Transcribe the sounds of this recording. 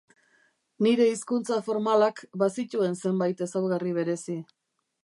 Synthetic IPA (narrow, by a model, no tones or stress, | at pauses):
niɾe̞iskunt͡safo̞ɾmalakbasit̪ue̞nse̞mbajt̪e̞sawɣariβ̞e̞ɾe̞si